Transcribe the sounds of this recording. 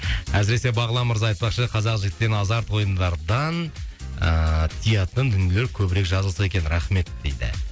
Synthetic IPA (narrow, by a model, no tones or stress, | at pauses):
æs̬ɪɾe̞se̞bɑʁəlˠɑməɾzɑɑjt̪̚pɑqʃəqʰɑzɑqʒɪɡʲɪt̪ːenɑzɑɾt̪wo̞jənd̪ɑɾd̪ɑnət̪ʰijɑt̪ənd̪ʏnjeleɾkʲʰɵbɪɾe̞kʒɑzəlˠsɑe̞kʲe̞nɾɑχme̞t̪̚d̪e̞jd̪ɪ̰